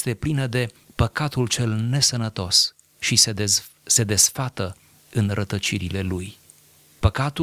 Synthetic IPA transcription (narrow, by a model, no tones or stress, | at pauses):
st̪e̞plinəd̪e̞ | pəkat̪ult͡ʃe̞lne̞sənət̪o̞s | ʃise | se̞d̪e̞sfat̪ə | ɨnrət̪ət͡ʃiɾile̞luj | pəkat̪u